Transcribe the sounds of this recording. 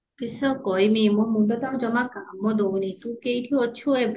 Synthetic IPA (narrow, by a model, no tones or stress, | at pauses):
kisɔkɔjmimɔmud̪ɔt̪aɦd͡ʒɔmakamːɔd̪ownit̪ũkejʈʰiɔt͡ʃʰueb